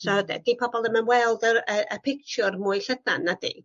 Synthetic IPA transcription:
saɔdɛ̰d̥ipʰɔbɔlˠəmənwɛlˠdərəʔəpʰɪk̚t͡ʃʰʊrmuːɨɬədanːadḭ

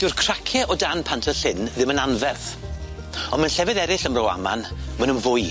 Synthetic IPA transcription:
d̥ɪɨrkʰr̥akʰɛʔɔdanpʰantʰəɬɪnðɪmənanvɛrθ | ɔnmənɬɛvɪðɛɾɪɬəmrɔwa̰ma̰nmənənvʊj

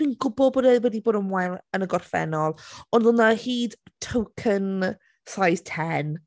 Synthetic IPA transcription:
w̥inɡʊbɔlˠboːdɛwɛdiboːdəmwɛlˠənəɡɔrfɛ̰nɔlˠɔndˠʊnahiːd̥tʰəwkʰən | sajz̥tʰɛn

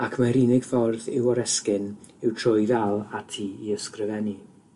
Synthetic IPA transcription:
akʰmaɾinɪɡ̥fɔrðɪwɔɾɛskɪnɪwtʰr̥ʊjvɛlˠatʰiːiəskrɪvɛni

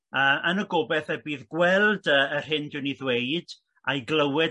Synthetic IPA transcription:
əːʔənəɡɔbɛθəbiːðɡwɛlˠdəːr̥ɪndɪwniðweɨd̥ | ajɡlˠəwɪ

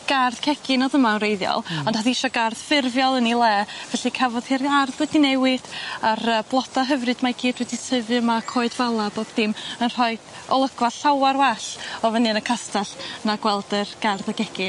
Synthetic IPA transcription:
ɡ̥arðkʰɛɡʰɪnɔðəmaənrejðjɔ̰lˠɔnd̥haðiɪʃɔɡarð̥fɪrvjɔlˠənilˠɛːvɛɬikʰɛvɔð̥hɪrarðwɛdinɛwɪd̥aɾəblˠɔd̥aɦəvrɨd̥maɡiːdwɛdisəvɨəmakʰoːɨdvalˠaboːð̥d̥ɪmənr̥ɔɨd̥ɔ̰lˠəɡ̥waɬawaɾwɛɬɔvənɨnəkʰastʰaɬnaɡwɛlˠdərɡ̥arðaɡɛkɪn

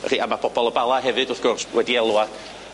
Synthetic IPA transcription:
r̥iːamapbʰɔb̥ɔlˠəbalˠaɦɛvɨdʊrθɡ̥ʊrswɛdiɛlˠwad̥

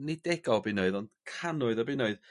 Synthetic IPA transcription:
nidɛɡɔbɪnoɨðɔnd̥kʰanʊɨðɔbɪnoɨð

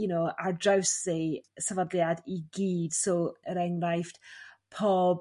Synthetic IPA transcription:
jʊnowʔadrawsisavadljadiɡiːd̥soːəɾɛŋrajft | pʰoːb

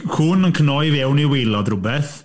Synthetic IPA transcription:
huːnənkʰənɔjvɛwniwejlˠɔdrʊbɛθ

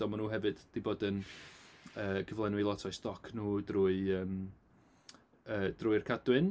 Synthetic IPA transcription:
ɔmanuːɦɛvɨd̥d̥iboːdən | əːkʰəvlˠɛnwilˠɔtʰɔjstɔkʰnuːdruːɨəːm | əːd̥ruːɨrkʰadwɨn

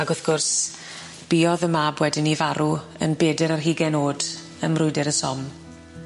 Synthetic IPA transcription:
aɡʊθɡ̥ʊrs | b̥iːɔðəmaːbwɛdɪnivaɾu | ə̰nbeːdɪɾarɦiːɡɛnoːd̥ | əmrʊɨdɪɾəsɔm

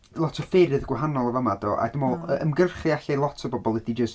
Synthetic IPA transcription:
lˠɔtʰɔfɪɾɨðɡwaɦanɔlˠɔvamadɔʔa̰dɪmɔlˠəəmɡərχiaɬalˠɔtʰɔbɔbɔlˠədid͡ʒəst

